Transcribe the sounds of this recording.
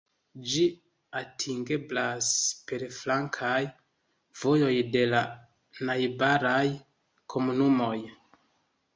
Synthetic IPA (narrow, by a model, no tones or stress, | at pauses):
d͡ʒi | atʰiŋɡe̞blaspe̞ɾflaŋkʰaj | v̥o̞jo̞jde̞la | najbaɾaj | kʰo̞munumo̞j